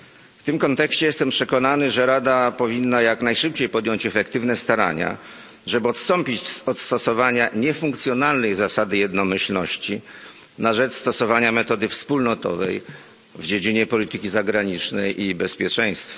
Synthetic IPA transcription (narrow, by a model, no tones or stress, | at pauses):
ft̪ɘmkɔnt̪ɛkɕt͡ɕɛjɛst̪ɛmpʂɛkɔnanɘʐɛɾad̪apɔvʲinːajaknajʂɘp̚t͡ɕejpɔd̪jɔɲt͡ɕɛfɛkt̪ɘvnɛst̪aɾa̰ɲa̰ | ʐɛbɘɔt̪st̪ɔmpʲit͡ɕɔt̪st̪ɔsɔvaɲaɲɛfuŋkt̪sʲjɔnalnɛjzasad̪ɘjɛd̪nɔmɘɕlnɔɕt͡ɕi | naʐɛt͡ʂst̪ɔsɔvaɲamɛt̪ɔd̪ɘfspulnɔt̪ɔ̰vɛ̰j | vd͡ʑed͡ʑiɲɛpɔlʲit̪ɘkʲizaɡɾaɲit͡ʂnɛjʔibɛspʲjɛt͡ʂɛ̃j̃st̪fa